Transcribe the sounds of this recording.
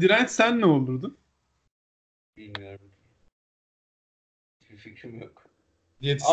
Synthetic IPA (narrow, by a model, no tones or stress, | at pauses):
d̪iɾænt̪sænːɛolˠuɾd̪um | bilʲmijoɾumd̪ | t̪ʰefɛcʰːyɾjok | jet̪ʰ